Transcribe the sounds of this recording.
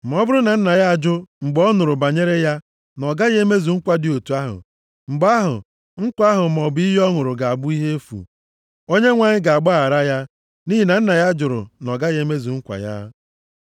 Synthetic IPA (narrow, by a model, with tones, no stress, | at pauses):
m̩˨m˨ɔ˦bʊ˦ɾʊ˦na˨n̩˦na˨ja˦a˨d͡ʒʊ˦ŋ͡m̩˨ɡ͡bɔ˦nʊ˨ɾʊ˨ba˨ɲe˦ɾe˦ja˦ | nɔ˨ɡa˦ɣe˦me˦zu˨ŋ̩˦kʷa˦dɪ˨o˨tu˨a˦ɦʊ̰˨ | ŋ͡m̩˨ɡ͡ba˦ɦʊ̰˨ | ŋ̩˦kʷa˦ɦʊ˨mɔ˨bi˦ɦɔ˦ŋʊ˨ɾʊ˨ɡa˨a˨bʊ˦i˦ɦe˦fṵ˨ | o˦ɲe˦ŋʷa˨ɲɪ˦ɡa˨a˨ɡ͡ba˦a˨ɾa˦ja˦ | ni˦ɦi˨na˨n̩˦na˨ja˦d͡ʒʊ˨ɾʊ̰˨nɔ˨ɡa˦ɣe˦me˦zu˨ŋ̩˦kʷa̰˨ja̰˦